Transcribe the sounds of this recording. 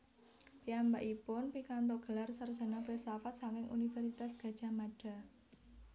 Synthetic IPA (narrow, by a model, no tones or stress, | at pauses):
piambaʔipʊnpikant̪̬ɔɡ̥ə̤larsərd̥ʒ̥a̤nafesafat̪̚saŋkɪŋʔṵnifɛrsit̪asɡ̥a̤d̥ʒ̥a̤maɖ̥a̤